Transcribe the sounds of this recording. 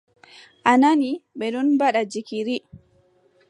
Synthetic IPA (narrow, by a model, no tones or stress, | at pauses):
ʔananiɓɛɗunbaɗad͡ʒikiɾi